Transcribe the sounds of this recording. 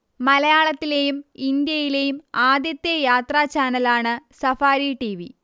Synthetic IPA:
mɐlɐjaːɭɐt̪ːile̞jumind̪jɐjile̞jumaːd̪jɐt̪ːjejaːt̪raːt͡ɕaːnɐlaːɳɨsɐfaːɾiʈiʋi

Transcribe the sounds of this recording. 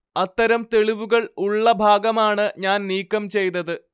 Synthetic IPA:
ɐt̪ːɐɾɐmt̪e̞ɭiʋuɣɐɭuɭːɐbʱaːɡɐmaːɳɨɲaːnniːkːɐmt͡ɕe̞jnɐðɨ

